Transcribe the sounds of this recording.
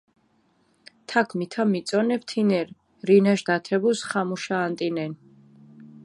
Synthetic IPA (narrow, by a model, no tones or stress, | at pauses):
t̪ʰakʰmit̪ʰamit̪sʼɔnɛpt̪ʰinɛɾ | ɾinaʃd̪at̪ʰɛbusχamuʃaːnt̪ʼinɛn